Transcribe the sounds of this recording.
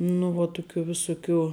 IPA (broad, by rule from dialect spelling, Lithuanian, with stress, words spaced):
nʊ ˈʋuɔ ˈtʊˌkʲuː ʋʲɪˈsʊˌkʲuː